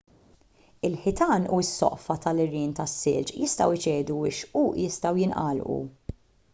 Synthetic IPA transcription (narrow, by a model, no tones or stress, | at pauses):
ɪlħɪt̪ɐːnuɪsːɔ̰ʔfɐt̪ɐlɪrːiːnt̪ɐsːɪ̰lt͡ʃjɪst̪ɐwɪt͡ʃɛːd̪uwɪʃujɪst̪ɐwjɪnʔɐ̰ːlʔṵ